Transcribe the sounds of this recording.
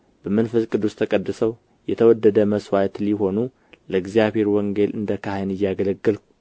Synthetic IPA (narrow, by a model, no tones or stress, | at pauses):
b̥əmənfəskʼɨd̪ːust̪ʰəkʼəd̪ːɨsəw | jɛt̪ʰəwɔd̪ːəd̪əməswajt̪liɦo̞nu | ləɡzijaβheɾwɔŋɡe̞lɨnd̪əkʰahajnɨjːaɡələɡːɨlk